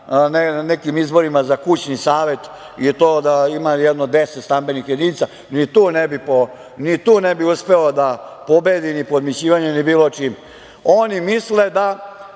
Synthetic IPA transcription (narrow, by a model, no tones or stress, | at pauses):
nenekimizbo̞ɾimazakut͡ɕnisaːʋe̞t̪ | it̪oːd̪aimajɛd̪nod̪eset̪st̪ambe̞nixjed̪init̪sa | nit̪uːnebipo | nit̪uːnebiuspe̞od̪apo̞be̞d̪inipod̪met͡ɕiːʋaɲenibiːlot͡ʃiːm | onimisled̪a